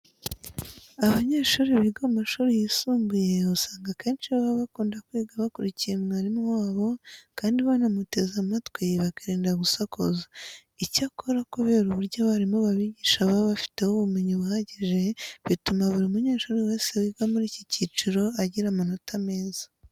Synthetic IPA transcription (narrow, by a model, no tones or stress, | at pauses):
aβaɲe̞ːʃuːɾeβiɡaumaʃuːɾejisuːmɡuje̞usaːŋɡake̞ːnt͡ʃiβaβaβakuːndakwiːɡaβakuɾicijemŋaːɾimwaːβo̞kaːndiβanamute̞zamatwiβakaɾiːndaɡusako̰za | icakoɾakoβe̞ɾuβuɾɟaβaɾimoβaβiɟiːʃaβaβafi̥te̞hoβumiɲiβuhaɟiʒe̞βitumaβuɾiumuɲe̞ːʃuɾewe̞ːse̞wiɡamuɾiːcicit͡ʃiɾo̞aɟiɾamano̞tʰame̞ːzḁ